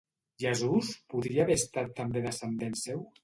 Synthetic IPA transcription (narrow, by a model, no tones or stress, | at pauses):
ʒəzuspuðɾiaːβeəst̪at̪ːambeðəsənd̪ensew